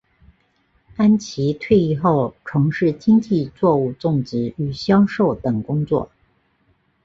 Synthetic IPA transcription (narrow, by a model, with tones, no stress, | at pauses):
a˥nt͡ɕʰi˧˥t̪ʰwe˥˧ɪi˥˧xo˥˩ʊʈ͡ʂʰɤ˧˥ŋʂɻ̩˥˩t͡ɕi˥ŋt͡ɕi˥˧t͡swɔ˥˧u˥˧t͡sʊ˥˩ŋt͡sɻ̩˥y˨˩ɕjɑ˥ʊʂo˥˩ʊt̪ɤ˨˩ŋkʊ˥ŋt͡swɔ̰˥˩